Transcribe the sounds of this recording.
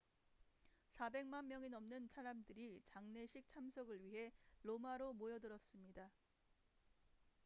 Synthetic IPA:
sʰabe̞ŋmanmjʌŋinʌmnɯnsʰaɾamdɯɾit͡ɕaŋne̞ɕʰik̚t͡ɕʰamsʰʌɡɯɭɥiɦe̞lomaɾomojʌdɯɾʌs͈ɯmɲida

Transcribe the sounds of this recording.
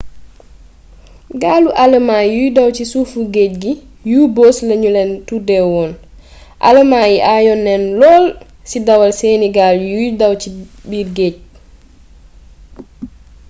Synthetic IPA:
ɡaːluʔaləmaːjujdɐwcisufuɡeːc̚ɡi | jubɔːslɐɲulɛntudɛwɔːn | ʔa̰ləmaːjiʔajɔnːɛnlɔːl | sidɐwɐlsɛːniɡaːljujdɐwt͡ʃibiɾɡeːc̚

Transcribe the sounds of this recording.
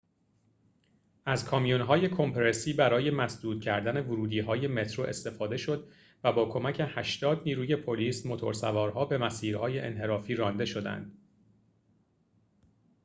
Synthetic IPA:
æzkʰɒːmijunɦɒːje̞kʰo̞mpʰeɾesiːbæɾɒːje̞mæsd̪uːd̪̚cʰæɾd̪æne̞voɾuːd̪iːɦɒːje̞me̞t̪ʰɾoʔe̞st̪e̞fɒːd̪e̞ʃo̞d̪ | væbɒːkʰo̞mæcʰe̞hæʃt̪ɒːd̪niːɾuːje̞pʰo̞liːsmo̞t̪ʰo̞̰ɾsævɒːɾɦɒːbe̞mæsiːɾhɒːje̞ʔenɦe̞ɾɒːfiːɾɒːnd̪e̞ʃo̞d̪æ̰nd̪̥

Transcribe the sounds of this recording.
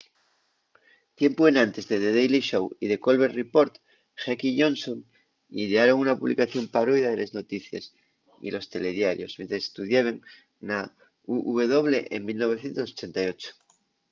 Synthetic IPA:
t̪je̞mpoe̞nãnt̪e̞zðeðeðejliʃowiðe̞ko̞lβeɾripo̞ɾt̪ | ʝakiʝõ̞nsoŋ | iðeaɾo̞ŋunapuβlḭkaθjo̞mpaɾoiðaðelezno̞t̪iθja̰s | ḭlo̞st̪e̞le̞ðjaɾjo̞̰smje̞nt̪ɾese̥st̪uðjaβeŋ | na | uʔuβeð̞o̞βleʔeŋmilno̞β̞e̞θje̞nt̪osot͡ʃe̞nt̪ajo̞t͡ʃo̥

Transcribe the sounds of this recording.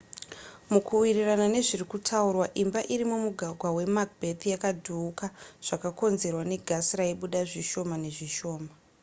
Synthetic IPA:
mukuwiriranane̞ʐirikutʰaurwaʔimbaʔiɾimumuɡʱaɡʱwawe̞mak̚bʱet̪jakadʱuːkaʐ̥akako̞nze̞rwane̞ɡʱasiraiɓuɗaʐiʃo̞mane̞ʐiʃo̞ːma

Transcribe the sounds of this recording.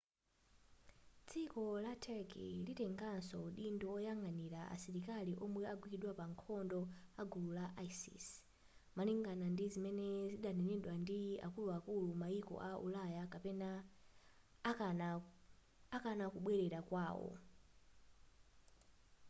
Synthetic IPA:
t͡sʰikɔlatʰɛkʰḭlitɛŋɡansɔɗindɔɔjaŋɡaniɾaʔa̰siɾikaliʔɔmwɛaɡwiiɗwapaŋkʰɔndɔaɡululaʔaisḭs | maliŋɡanandizimɛnɛziɗanɛnɛɗwandia̰kuluakulumaikɔ̰ʔaʔṵlajakapɛna | akanakuɓwɛɾɛɾakwaːwɔ̰

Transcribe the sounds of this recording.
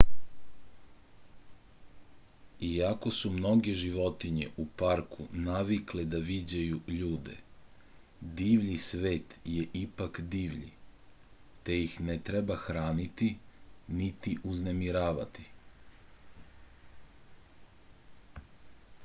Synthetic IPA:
iako̞sumno̞ɡe̞ʒiʋo̞t̪iɲḛʔupaɾkʰunaʋikled̪aʋid͡ʑajuʎuːd̪e̞̰ | d̪iːʋʎisʋe̞ːt̪jeʔipakd̪iːʋʎḭ | t̪e̞jixnet̪ɾebaxɾaːnit̪init̪iʔuzne̞miɾaːʋa̰t̪i̥

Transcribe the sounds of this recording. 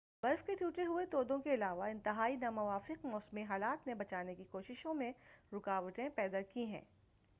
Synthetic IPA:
ʁɐɾfkeʈʰjuːʈeɦuet̪oːd̪õkeɪlaːʋaɪ̃nt̪ɪɦaːinamʊʋaːfɪqmɔːsmiɦaːlaːt̪nebɐt͡ʃaːnekikoːʃɪʃõmẽɾʊkaːʋəʈẽpɛːd̪akiɦɛ̰̃ː

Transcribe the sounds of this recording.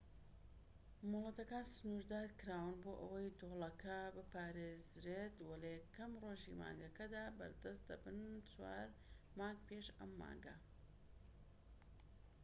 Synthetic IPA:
mʊlˠɐt̪ɐkaːnsɨnuɾd̪aːɾkɨɾaːwɨnboːʔɐwɐjd̪oːlˠɐkʰɐbɨpaːɾezɾet̪wɐlɐjɛkɐmroːʒḭma̰ːŋɡɐkɐd̪aːbɐ̰ɾd̪ɐst̪̚d̪ɐ̰bɨnt͡swa̰ːɾ | maːŋɡ̚peʃɐ̰mːa̰ːŋɡɐ

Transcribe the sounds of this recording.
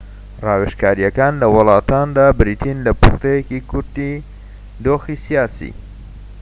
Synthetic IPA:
rɑːweʃkaːɾijɐkaːnlɐwɨlˠɑːt̪aːnd̪aːbɾit̪ʰinlɐpʊ̰xt̪ejekikʰʊɾd̪i | d̪oːxisijaːsḭː

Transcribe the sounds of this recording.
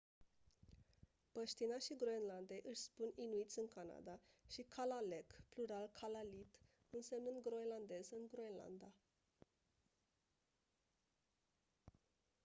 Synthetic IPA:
pəʃt̪inaʃiɡɾoenland̪ejʔɨʃʲspuninuit̪sʲɨŋkana̰d̪aʃikʰalalekpluɾalkʰalalit̪ | ɨnsemnɨnd̪ɡɾoeland̪e̞zɨŋɡɾoenla̰nd̪a

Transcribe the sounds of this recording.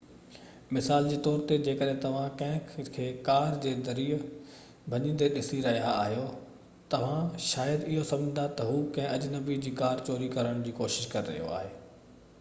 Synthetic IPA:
mɪsaːld͡ʑiːt̪ɔːɾt̪ed͡ʑeːkəɗɦɪ̃t̪ɐʋ̤ãkɐ̃ɦɪ̃kʰeːkaːɾd͡ʑeːd̪ɐɾiː | bʱɐɲĩːn̆d̪eɗɪsiɾɐɦija̰ːɦijo | t̪ɐʋ̤ãʃaːjəd̪ɪɦosɐ̃md͡ʑnd̪at̪ɐɦuːkɐ̃ɦɪ̃ʔɐd͡ʑnɐbid͡ʑiːkaːɾt͡ɕoːɾikɐɾəɽ̃d͡ʑiːkoːʃɪʃkɐɾɪɾɐɦijo̰a̰ːɦeː

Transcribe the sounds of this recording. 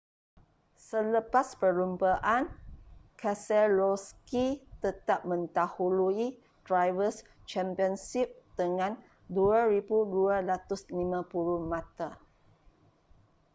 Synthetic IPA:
sələpaspəlumpaʔankʰasɛlɔskit̪ət̪ap̚mə̃nt̪ahului | dɾajvəst͡ʃɛmpiənsip̚d̪̥əŋãn | duaɾibuduaɾat̪ʊslimãpuɾumãt̪a

